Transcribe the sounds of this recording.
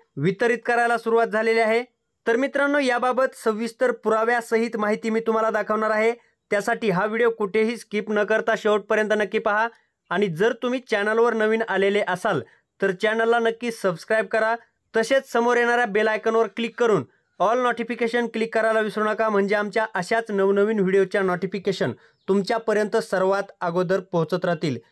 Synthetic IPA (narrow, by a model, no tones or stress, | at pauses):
ʋit̪əɾit̪̚kəɾajlasuɾuʋat̪̚d͡zʱaleleaɦe | t̪əɾmit̪ɾənːojababət̪səʋːist̪əɾpuɾaʋjasəɦiːt̪maɦit̪imiːt̪um̤alad̪akʰəʋɳaɾaɦe | t̪jasaʈiːɦaʋiɽijokuʈʰeɦiːskiːpnəkəɾt̪aɕewʈ̚pəɾjənt̪ənəkːiːpaɦaː | ɽ̃id͡zəɾt̪um̤iːt͡ɕænəlʋəɾnəʋiːnaleleʔəsal | t̪əɾt͡ɕɛnəlːanəkːiːsəbskɾajb̚kəɾa | t̪əset͡ssəmoɾjeɽ̃aɾjabelajkənʋəɾklikːəɾuːn | ɔlnɔʈifikeɕənklikːəɾajlaʋisɾuɳakam̤əɳd͡zeamt͡ɕjaʔəɕjat͡snəʋnəʋiːnʋiɽijot͡ɕjanɔʈifikeɕən | t̪umt͡ɕjapəɾjənt̪əsəɾʋat̪aɡod̪əɾpəɦut͡sət̪ɾat̪iːl